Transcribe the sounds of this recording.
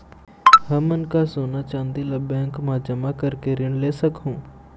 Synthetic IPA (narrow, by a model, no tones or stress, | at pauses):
ɦɐmʊnkasoːnat͡ʃãːnd̪ilɐbɛ̃ːŋkmãd͡ʒɐmakɐɾkeɾɪɳleːsɐkɦũː